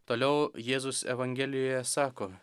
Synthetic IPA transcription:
t̪oːlʲɛʊjeːzʊsɛ̰ʋɐŋʲɡʲeːlʲɪjoːjɛsɑːkoː

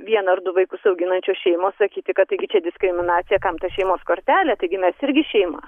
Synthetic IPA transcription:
ʋʲiɛnɐrd̪ʊʋɐɪkʊsɐʊɡʲɪnɐnʲt͡ʃʲoːʃʲɛɪmoːssɐkʲiːt̪ʲɪkɐt̪ːɐɪɡʲɪt͡ʃʲɛd̪ʲɪskɾʲɪmʲɪnɑːt̪sʲɪjɛkɐmt̪ɐʃʲɛɪmoːskoːɾʲt̪ʲæːlʲæt̪ɐɪɡʲɪmʲɛsɪɾʲɡʲɪʃʲɛɪmɐ̰

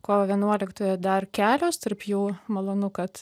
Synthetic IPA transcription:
koːʋɐʋʲiɛnuɔlʲɪkt̪oːjɛd̪ɐrkʲæːlʲoːst̪ɐrpjuːmɐlˠoːnʊkɐt̪

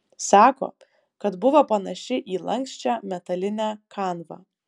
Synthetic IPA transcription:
sɑːko̰ː | kɐt̪bʊʋɐpɐnɐʃʲɪʔiːlˠɐŋʲksʲt͡ʃʲæːmʲɛt̪ɐlʲɪnʲæːkɑːnʋɑ̰ː

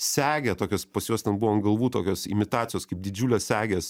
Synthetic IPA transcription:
sʲæːɡʲɛt̪oːkʲoːspɐsjuɔstʲɛnbuʋoːmɡɐlˠʋuːt̪o̰ːkʲoːsɪ̰mʲɪt̪ɑːt̪ʲɪjoːskɐɪp̚d̪ʲɪd͡ʒʲuːlʲɛːssʲæːɡʲes

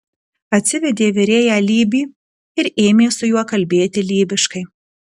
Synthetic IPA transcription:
ɐt̪ʲsʲɪʋʲɛd̪ʲeːʋʲɪɾʲeːjæːlʲiːbʲiː | ɪɾeːmʲeːsʊjuɔkɐlʲbʲeːt̪ʲɪlʲiːbʲɪʃkɐɪ

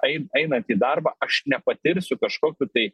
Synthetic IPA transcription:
ɛɪnɛɪnɐnt̪iːd̪ɐrbɑːʔɐʃnʲɛpɐt̪ʲɪɾʲsʲʊkɐʃkoːkʲuːt̪ɐɪ

